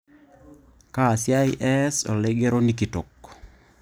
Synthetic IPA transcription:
kaː˦˨sja˦i˦ʔɛ˦so̰˨lɛɡe˦ɾo˦ni˦ki˨to˨kː

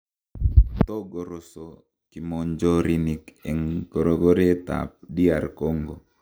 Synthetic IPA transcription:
t̪o˦ɡo˨ɾo˨so˨ | ki˨mo˨ɲd͡ʒo˦ɾi˨ni˨kɛ˨ŋko˨ɾo˨ɡo˦ɾe˦t̪a̰˨p̚di˦a˨ɾko˦ŋɡo˨

